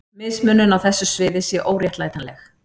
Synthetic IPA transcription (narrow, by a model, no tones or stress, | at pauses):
mɪðsmʏnːʏnawθɛsːʏsvɪːðɪsjɛʔoːwrjɛht̪laːjt̪anlɛx